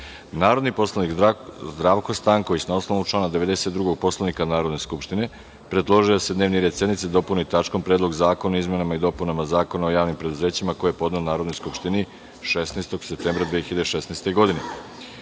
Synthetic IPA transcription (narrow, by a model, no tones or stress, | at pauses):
naːɾo̞d̪nipo̞slanikzd̪ɾaːʋko̞st̪aŋkoisnaosnoʋnut͡ʃlˠaːnad̪eʋe̞d̪e̞set̪d̪ɾuɡo̞ɡ̚po̞slˠanikanaːɾo̞d̪ne̞skupʃt̪ine̞ | pɾe̞d̪lˠo̞ʒijod̪se̞d̪ne̞ːʋniɾed̪se̞d̪nit̪sid̪o̞punit̪at͡ʃko̞mpɾeːd̪lˠo̞ɡzaːko̞naizme̞namaid̪o̞punamazaːko̞naojaːʋnimpɾe̞d̪uze̞ːt͡ɕimako̞jejepo̞d̪neonaːɾod̪nojskupʃt̪ini | ʃesnest̪o̞ɡ̥sep̚t̪eːmbɾad̪ʋeeçiʎad̪eʃesnejst̪e̞ɡo̞d̪ine